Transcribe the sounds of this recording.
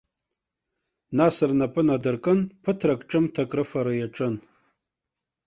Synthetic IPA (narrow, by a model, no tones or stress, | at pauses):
nasɨrnapʼɨnadɨrkʼɨnpʰɨtʰrakʼʈ͡ʂʼɨmtʰakʼrɨfaɾajaʈ͡ʂʼɨn